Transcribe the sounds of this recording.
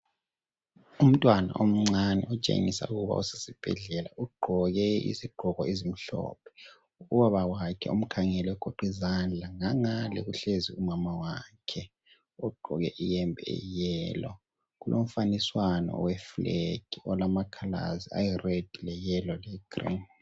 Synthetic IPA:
um̩tʼwana̰ʔom̩ŋ͡ǀanɛ̰ʔɔt͡ʃʼḛŋisa̰uɣuβa̰use̥sib̥ʱɛ̰ɮɛla̰uɡ͡ǃʱɔɣɛḭziɡ͡ǃʱɔɣɔezim̩ɬɔ̰ːpʰɛ̥ | uwaβawakʰɛom̩kʰaŋɛlɛɡ̥ʱoǃʱizand͡ɮʱaŋaŋalɛɣuɬeziumamawakʰɛ | ɔɡ͡ǃʱɔɣɛ̰ʔijɛmbʱɛɛ̰jɛlɔ | ɣulʔoɱ̩faniswanɔ̰wɛfleɡ̥ʱiɔlamakʰala̰zia̰jired̥ʱilɛjɛlɔlɛɡ̥rḭn

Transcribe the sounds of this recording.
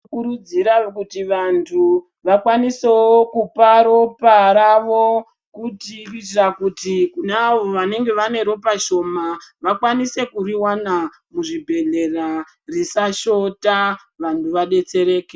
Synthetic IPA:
kuɾud͡ziɾakutiʋantʰu | ʋakwaniseokupaɾo̞paɾaʋo̞ | kutikit͡ʃrakutikunaːʋo̞ʋane̞ŋɡe̞ʋane̞ɾo̞paʃo̞maʋakwanise̞kuriwana | muʐibʱe̞ɮe̞ra | risaʃo̞ta | ʋantʰuʋaɗe̞t͡se̞ɾe̞ːke

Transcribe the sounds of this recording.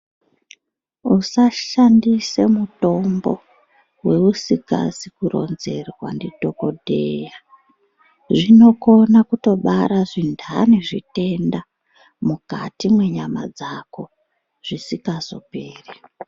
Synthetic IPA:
usaʃandise̞muto̞mbo̞̰ | we̞usika̰sikuɾo̞̰nze̞rwa̰ndido̞ko̞dʱeja | ʐino̞ko̞nakuto̞ɓaɾaʐindʰʱaniʐite̞nda | muka̰timwe̞ɲama̰d͡zako̞ | ʐ̥isikazo̞̰peːri

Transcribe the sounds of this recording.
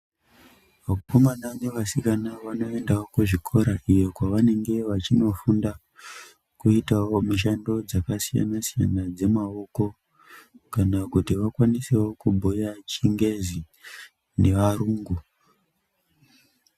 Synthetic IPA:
ʋakukomananeʋasikanaʋano̞e̞ndawokuʐikʰo̞ɾaʔijo̞kwaʋane̞ŋɡe̞ʋat͡ʃino̞funda | kuitawo̞miʃ̬ando̞d͡zakasija̰nasija̰nad͡ze̞mao̞ko̞ | kanakutiʋakwanisewo̞kubʱojat͡ʃiŋɡe̞zi | ne̞ʋaɾuŋɡu

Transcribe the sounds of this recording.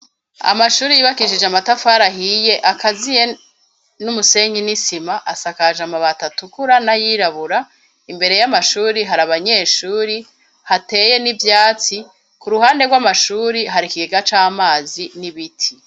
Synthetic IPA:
a̰maʃuːɾijiːβakiʃid͡ʒeamatafaːɾaɦije̞ʔakazije̞ | numuse̞ːɲɡinisimaʔasakaʒamaβatatukuɾanajiːɾaβuɾa | imbe̞ɾe̞jamaʃuːɾiɦaɾaβaɲe̞ːʃuːɾi | hate̞ːje̞nivjaːt͡si | kuɾuhaːnde̞ɡwamaʃuːɾiɦaɾikiɡeɡat͡ʃamaːziniβitʰi

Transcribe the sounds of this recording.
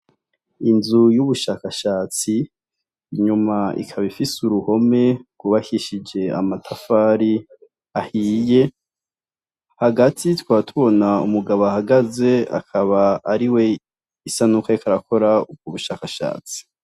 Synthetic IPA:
inzujuβuʃaːkaʃaːt͡siː | ɲumaḭkʰaβifisuɾuho̞me̞ɡuβahiʃid͡ʒe̞a̰matʰafaːɾi | ahiːje̞ | haɡatʰitwaːtʰuβo̞naṵmuɡaβoahaɡaze̞a̰kʰaβaːɾiwe̞ | isanukaikʰaɾako̞ɾaub̚ɡuβuʃaːkaʃa̰ːt͡si̥

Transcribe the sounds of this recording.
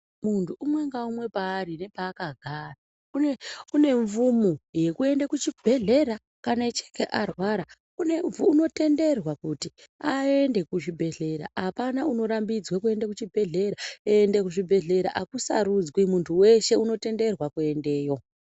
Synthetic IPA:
muntʰuʔumwe̞ŋɡaumwe̞paːɾine̞paːkaɡʱara | ueune̞ɱvumuje̞kue̞ndekut͡ʃibʱe̞ɮe̞ɾa | kanet͡ʃe̥ke̞ʔarwaɾa | une̞ɱvuːno̞te̞nde̞rwakutiae̞nde̞kuʐibʱe̞ɮe̞ɾa̰ʔapanauno̞ɾambid͡zwak̬ue̞ndakut͡ʃibʱe̞ɮe̞ɾaeendekuʐibʱe̞ɮe̞ɾa̰ʔakusa̰ɾud͡zwimuntʰuwe̞ʃe̞uno̞te̞nde̞rwakue̞nde̞ːjo̞

